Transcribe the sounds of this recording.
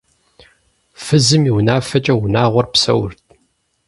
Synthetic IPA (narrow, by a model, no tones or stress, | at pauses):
fɨzɨmiwnaːfɐt͡ʃʼɐwʊnaːʁʷɔrpsɐ̰wrt̚ʰʼ